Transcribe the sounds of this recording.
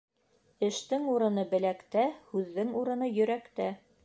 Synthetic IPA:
ɘ̆ʃt̪ɘŋuɾɤ̆nɤbɘ̆lækt̪æhʉðːɘŋuɾɤ̆nɤjɵ̆ɾækt̪æ

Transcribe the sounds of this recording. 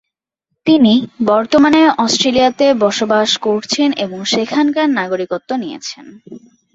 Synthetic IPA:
t̪inibɔɾt̪omaneʔɔsʈɾelijat̪ebɔʃobaʃkoɾt͡ɕʰeneboŋʃekʰankaɾnaɡoɾikot̪ːonijḛt͡ɕʰen

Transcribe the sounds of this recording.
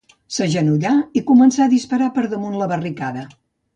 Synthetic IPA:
səʒənuʎaikumənsaðispəɾapəɾðəmunləβərikaðə

